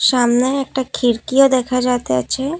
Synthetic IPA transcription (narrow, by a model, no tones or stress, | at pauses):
ʃamneɛk̚ʈakʰiɾkiod̪ɛkʰad͡ʑat̪ea̰t͡ɕʰe